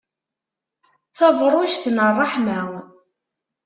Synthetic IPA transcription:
θɑvɾˤʊʃθnərˤːɑħmæ

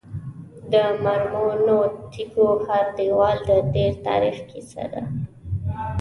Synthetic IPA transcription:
d̪əmaɾmonoʈʰikohaɾd̪ewɑld̪ət̪eɾt̪ɑ̰ɾixkisa̰d̪a̰

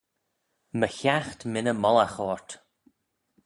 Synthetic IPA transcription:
məçaxt̪mɪnəmɔlaxɔːɹt̪

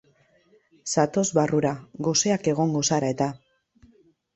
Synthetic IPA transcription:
sat̪o̞zβaruɾaɣo̞se̞ake̞ɣ̞o̞ŋɡo̞saɾae̞t̪a

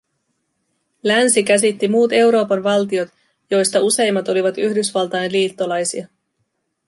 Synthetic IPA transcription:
lænsikæs̬it̪ːimuːt̪e̞wɾo̞ːpɑnʋɑlt̪io̞t̪ | jo̞jst̪ɑuse̞jmːɑt̪o̞liʋɑt̪yçdysʋɑlt̪ɑjenliːt̪ːo̞lɑjsiɑ

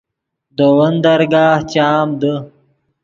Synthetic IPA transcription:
d̪əwənd̪ɐɾɡaːht͡ɕaːmd̪ə

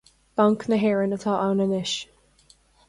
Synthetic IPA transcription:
b̥aŋknəɦɛɹənət̪ʰɔːʔawnənɪʃ

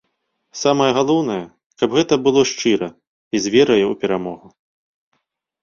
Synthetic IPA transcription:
samɐjɐɣalˠɔwn̪ɐjɐ | kɐbɣɛt̪ɐbɨlˠɔʂt͡ʂɨɾɐ | izʲvʲɛɾɐjɛupʲɛɾamɔɣu

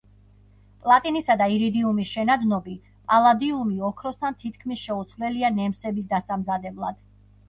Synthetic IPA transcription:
pʼlˠat̪ʼinisad̪aiɾid̪iumisʃɛnad̪nɔbi | pʼalˠad̪iumiɔkʰɾɔst̪ʰant̪ʰit̪̚ʰkʰmisʃɛut̪sʰvlɛlianɛmsɛbisd̪asamzad̪ɛblˠa̰d̪̥

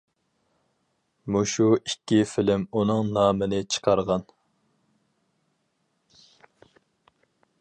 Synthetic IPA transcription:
muʃuikʲːifɪlɪmunɨŋnɑːmɨnɪt͡ʃʰə̥qʰɑɾʁɑn

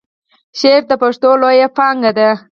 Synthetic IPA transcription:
ʃeɾ̚d̪əpaʂt̪olojapɑŋɡad̪a

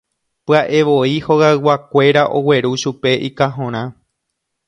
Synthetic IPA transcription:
pɨaʔe̞ʋo̞iho̞ɣaɨwakʷe̞ɾaʔo̞we̞ɾuʃupe̞ʔikaɦõɾ̃ã

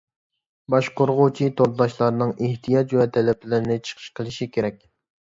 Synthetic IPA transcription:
bɑʃqʰoɾʁʊt͡ʃʰit̪ʰoɾd̪ɑʃlˠɑɾnɨŋʔeht̪ʰijɑt͡ʃwɛt̪ʰɛlɛpʰɪlɪɾɪnɪt͡ʃʰə̥qʰə̥ʃqʰəlˠɨʃikʲʰeɾɛk̚ʲ

